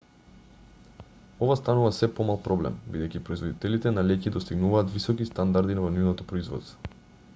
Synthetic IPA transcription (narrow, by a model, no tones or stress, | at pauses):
ɔvast̪anuvasɛpɔmalˠpɾɔblɛ̰mbid̪ɛjcʲipɾɔizvɔd̪it̪ɛlit̪ɛnalɛcid̪ɔst̪iɡnuvaːt̪visɔkist̪and̪aɾd̪inavɔnivnɔt̪ɔpɾɔizvɔ̰st̪vɔ̥